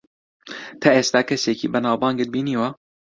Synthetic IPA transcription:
t̪ʰaeːst̪aːkʰɐseːciːbɐnaːwbɑːŋɡɨt̪̚biːniːwɐ

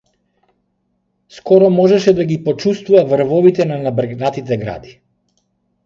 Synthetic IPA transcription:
skɔɾɔmɔʒɛʃɛd̪aɡipɔt͡ʃust̪vuvavr̩vɔvit̪ɛnanabɾɡnat̪it̪ɛɡɾa̰d̪i

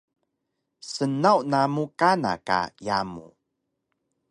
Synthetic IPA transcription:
sənawnamukana̰ka̰jamṵ

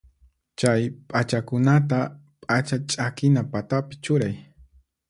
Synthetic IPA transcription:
t͡ʃajpʼat͡ʃakʊnat̪̬a | pʼat͡ʃat͡ʃʼakɪnapat̪apɪ̥t͡ʃʊɾaj

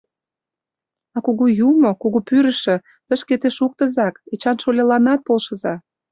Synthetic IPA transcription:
ɑkuɣujumokoɣopyɾə̆ʃə̆ | t̪əʃket̪eʃuk̚t̪ə̆zɑket͡ɕɑnʃolʲelɑnɑt̪̚polʃə̆zɑ

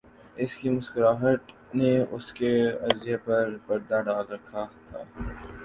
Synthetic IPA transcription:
ɪskimʊskʊɾaːɦət̪ | neʊ̰skeɐzɪjepɐɾbɐɾd̪aɖaːlɾɐkʰat̪ʰa̰ː

